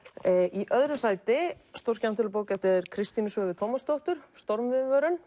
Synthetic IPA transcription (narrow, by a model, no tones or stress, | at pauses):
ʔiʔœðɾʏsaːjt̪ɪst̪or̥cam̥t̪ɪlʏpoːwcɛft̪ɪɾkʰɾɪst̪inʏsœːvɪt̪ʰoːmast̪owht̪ʏɾ̥st̪ɔɾmvɪðvœːɾʏn